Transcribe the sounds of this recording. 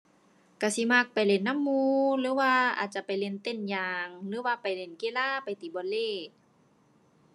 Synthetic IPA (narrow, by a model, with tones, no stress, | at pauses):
ka˧˩si˧˦ma˧˩k̚pa˨˩jle˧˨nːa˧˥˨mːuː˧lɯː˧˦waː˧ʔa̰ː˨˩t̪̚t͡ɕa˧˨pa˨jle˧˨nt̪e˧˨njaː˧ŋlɯː˧˦waː˧˩pa˨˩jle˧˩˨nke˧˨laː˧˥˨pa˨jt̪iː˨˩bɔː˨nleː˧˩